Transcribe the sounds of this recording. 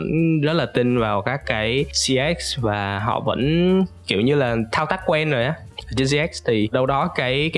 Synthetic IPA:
ə̰˧˥nzə˦˥t̚laː˨˩t̪ï˧nvaː˨˩wkaː˦˥kːaː˨˦jsi˧ɛ˦˥k̚svaː˨˩ɦɔ̰˧˨və̰˧˥nki˧˩əwɲɨ˧laː˨˩t̪ʰaː˧wt̪a˦˥k̚kːwɛ˧nzo˨˩jʔaː˨˦˨t͡ɕə˧nsi˧ɛ˦˥k̚st̪ʰi˨˩ɗə˧wɗɔ˨˦kaː˨˦jkaː˨˦

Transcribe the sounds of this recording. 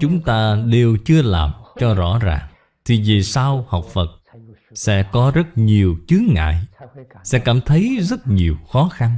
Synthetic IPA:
t͡ɕʊ˨˦ŋ͡mt̪aː˧ɗe˨˩wt͡ɕɨ˧əla̰ː˨˩mt͡ɕɔ˧zɔ̰˧˥za̰ː˨˩ŋ | t̪ʰi˨˩ve˨˩sa˧wha˨˩wk͡p̚fə˨˩t̚ | sɛ̰˧˥kɔ˨˦zə˦˥t̚ɲi˨˩əwt͡ɕɨ˨˦əŋŋa̰ː˧˨jsɛ̰˧˥kaː˧˩mt̪ʰə˨˦jzə˦˥t̚ɲi˨˩əwxɔ˨˦xa˧n

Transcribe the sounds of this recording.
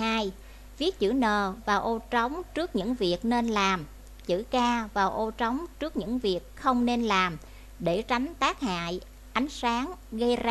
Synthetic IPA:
aː˧j | vi˦˥ət̚t͡ɕɨ̰˧˩nəː˨˩vaː˨˩wʔo˧t͡ɕə˨˦wŋ͡mt͡ɕɨ˦˥ək̚ɲɨ̰˧˥ŋvi˨˩ək̚ne˧nlaː˨˩m | t͡ɕɨ̰˧˥kaː˧vaː˨˩wʔo˧t͡ɕə˨˦wŋ͡mt͡ɕɨ˦˥k̚ɲɨ̰˧˥ŋvi˨˩ək̚xə˧wŋ͡mne˧nlaː˨˩m | ɗe˧˩t͡ɕa˨˦jŋ̟t̪aː˦˥k̚ha̰ː˧˨j | ʔa˨˦jŋ̟saː˨˦ŋɣə˧jz

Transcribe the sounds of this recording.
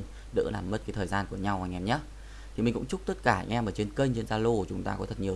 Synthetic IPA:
n | ɗɨ̰˧˥la̰ː˨˩mːə˦˥t̚ka˨˦t̪ʰəː˨˩jzaː˧nku˧˩əɲa˧wha˧jŋʔɛ˧mɲə˦˥t̚ | t̪ʰi˨˩mï˨˩kʊ̰˧˥ŋ͡mt͡ɕʊ˦˥k͡p̚t̪ə˦˥t̚kaː˧˩ŋʔɛ˧məː˨˩t͡ɕe˧nkə˧jŋ̟t͡ɕe˧nzaː˧lo˧t͡ɕʊ˨˦ŋ͡mt̪aː˧kɔ˨˦t̪ʰə˨˩t̚ɲi˨˩ə˩

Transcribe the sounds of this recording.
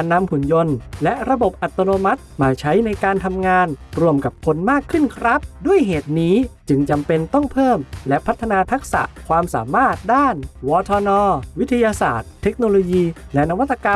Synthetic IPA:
a˧nːa˧mhu˨˩˦njo˧nlɛ˦˥ʔɾa˧bo˨˩p̚ʔa˨˩t̪ːa˧noː˧ma˦˥t̪̚maː˧t͡ɕʰa˦˥jna˧jkaː˧nt̪ʰa˧mŋaː˧nɾu˧əmka˨˩p̚kʰo˧nmaː˥˩kʰːɯ˥˩nkʰɾa˦˥p̚du˥˩əjɦeː˨˩t̪̚niː˦˥t͡ɕɯ˧ŋt͡ɕa˧mpe˧nt̪ɔ˥˩ŋpʰɤː˥˩mlɛ˦˥pʰa˦˥t̪ʰːa˧naː˧t̪ʰa˦˥k̚sa̰˨˩ʔkʰwaː˧msa̰ː˩˦maː˥˩t̪̚daː˥˩nwɔː˧t̪ʰɔː˧nɔː˧wi˦˥t̪ʰːa˧jaː˧sa̰ː˨˩t̪ʰːe˦˥k̚noː˧loː˧jiː˧lɛ˦˥na˦˥wa˦˥t̪ːa˧ka˧

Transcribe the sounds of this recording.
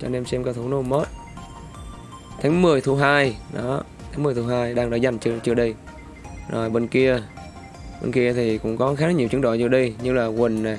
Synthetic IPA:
t͡ɕɔ˧ne˧msɛ˧mka˧wt̪ʰu˧˩˦no˧˩məː˦˥t̚ | t̪ʰaː˨˦ŋmɨ˨˩əjt̪ʰu˧˦ɦaː˧jɗɔ˨˦ | t̪ʰaː˨˦ŋmɨ˨˩əjt̪ʰu˨˦ɦaː˧jɗaː˧ŋɗa˧˥za˨˩jŋ̟t͡ɕɨ˧ət͡ɕɨ˧əɗə˧j | zo˨˩jɓe˧nki˧ə | ɓḛ˧nki˧ət̪ʰi˨˩kʊ̰˧˥ŋ͡mkɔ˨˦xaː˨˦˥ɲi˨˩əwt͡ɕɨ˨˦ŋɗo̰˧˨jzɨ˧əɗi˧jɲɨ˧laː˨˩kwï˨˩ŋ̟na˨˩

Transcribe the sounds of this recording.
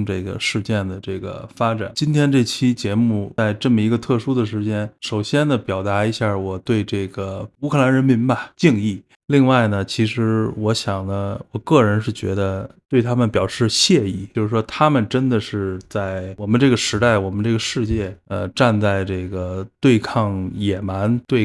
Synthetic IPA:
ʈ͡ʂɤ˥˩ɡə̰˩ʂɻ̩˥˧t͡ɕjɛ˥˩nd̪ə˩ʈ͡ʂɤ˥˩ɡə̰˩fa˥ʈ͡ʂa̰˨˩˦nt͡ɕi˥nt̪ʰjɛ˥nʈ͡ʂɤ˥˩t͡ɕʰi˥t͡ɕjɛ˧˥mu˥˩t͡sa˥˧ɪʈ͡ʂɤ˥˩mə˩i˧˥ɡə˧t̪ʰɤ˥˩ʂu˥d̪ə˨ʂɻ̩˧˥t͡ɕjɛ˥nʂo˨˩ʊɕjɛ˥nd̪ə˨pjɑ˨˩ʊt̪a˧˥i˧˥ɕja˥˩wɔ˨˩t̪we˥˧ɪʈ͡ʂɤ˥˩ɡə˩u˧˥kʰɤ˥˩la˧˥nɻə˧˥nmi˧˥nbɐ˨t͡ɕi˥˧ŋi˥˩ | li˥˧ŋwa˥˩ɪnə˩t͡ɕʰi˧˥ʂɻ̩˧˥wɔ˧˥ɕjɑ˨˩ŋnə˦wɔ˨˩kɤ˥˩ɻə˧˥nʂɻ̩˥˩t͡ɕɥɛ̰˧˥d̪ə˧t̪we˥˩ɪt̪ʰa˥mə˨npjɑ˨˩ʊʂɻ̩˥˧ɕjɛ˥˧i˥˩o˥˧ʊʂ̩˥˩ʂwɔ˥t̪ʰa˥mə˨nʈ͡ʂə˥nd̪ə˨ʂɻ̩˥˧t͡sa˥˩ɪwɔ˨˩mə˦nʈ͡ʂɤ˥˩ɡə˩ʂɻ̩˧˥t̪a˥˩ɪwɔ˨˩mə˦nʈ͡ʂɤ˥˩ɡə˩ʂɻ̩˥˧t͡ɕjɛ˥˩ə˧ʈ͡ʂa˥˧nt͡sa˥˧ɪʈ͡ʂɤ˥˩ɡə˩t̪we˥˧ɪkʰɑ˥˩ŋjɛ˨˩ma˧˥nt̪we˥˧ɪ

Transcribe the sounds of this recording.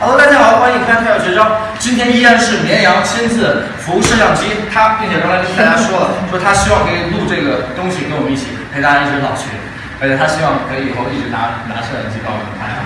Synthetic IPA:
lk̪nʰa˥xkwa˥i˥˩˥t̪ʰa˥˩jɕɥɛ˧˥ʈ͡ʂɑ˥ʊ | t͡ɕi˥nt̪ʰjɛ˥ni˥jɛ˥˧nʂɻ̩˥˩njɛ˧˥njɑ˧˥ŋɕi˥nt͡sɹ̩˥˩ | fu˧˥˧ʂɻ̩˥˧jɑ˥˩ŋt͡ɕi˥t̪ʰa˥pjɛ˥˩nɕʰɛ˧˥˩kɑ˥la˥i˥ɛ˥nt̪ʰa˥ʂwɔ˥lə˨˥˩wʂt̪ʰa˥ɕi˥wɑ˥˩ŋkʰɤ˧˥i˧˨˩lu˥˧ʈ͡ʂɤ˥˩ɡə˩t̪ʊ˥ŋɕi˨˩ke˧˥ɪwɔ˨˩m˦i˥˩t͡ɕʰi˨˩pʰe˧˥ɪt̪a˥˧i˥˩ʈ͡ʂɻ̩˧˥lɑ̰˨˩ʊt͡ɕʰy̰˥˩ | ə˧˥t͡ɕʰjɛ˨˩t̪ʰa˥ɕi˥wɑ˥˩ŋ˩kʰɤ˧˥i˧˩˨xo˥˧ʊi˥˩ʈ͡ʂɻ̩˧˥na˧˥na˧˥ʂʰə˥˧ə̰˧˥nt͡ɕʰi˥p̪ɑ˥˧ʊ˩˨˧kʰa̰˥˩˥

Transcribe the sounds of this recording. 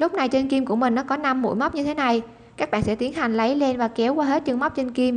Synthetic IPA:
lʊ˦˥k͡p̚na˨˩jt͡ɕe˧nki˧mku˧˩əmï˨˩ŋ̟nɔ˨˦kɔ˨˦na˧mːṵ˧˩˨jma˦˥k͡p̚ɲɨ˧t̪ʰe˨˦na˨˩j | kaː˦˥k̚ɓa̰˧˨nsɛ̰˧˥t̪i˨˦nɦa˨˩jŋ̟lə˨˦jle˧nvaː˨˩kɛ˨˦wkwaː˧ɦe˦˥t̚t͡ɕɨ˧ŋma˦˥k͡pp̚t͡ɕe˧nki˧m

